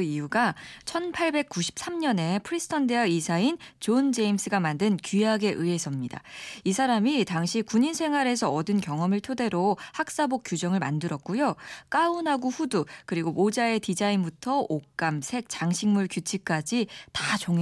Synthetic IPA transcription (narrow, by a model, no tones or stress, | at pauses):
iuɡat͡ɕʰʌnpʰaɭbe̞k̚k͈uɕʰi̥p̚s͈amɲʌne̞pʰɯɾisʰɯ̥tʰʌnde̞ɦaisʰaint͡ɕond͡ʑe̞ims͈ʰɯɡamandɯnkiaɡe̞ʔɯe̞sʰʌmɲida̰isʰaɾamitaŋɕʰikuɲinsʰe̞ŋɦwaɾe̞sʰʌʌdɯnkjʌŋʌmɯɭtʰode̞ɾohak̚s͈abok͈jud͡ʑʌŋɯɭma̰ndɯɾʌt̚k͈ujok͈aunɦaɡoɸudukɯɾiɡomod͡ʑae̞tid͡ʑainbutʰʌok͈amsʰe̞k̚t͡ɕaŋɕʰiŋmuɭkjut͡ɕʰik͈ad͡ʑitat͡ɕoŋe